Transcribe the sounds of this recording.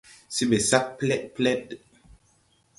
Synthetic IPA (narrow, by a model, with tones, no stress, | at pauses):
si˦be˨sa˦k̚plɛ˦ʔ̚plɛ˦t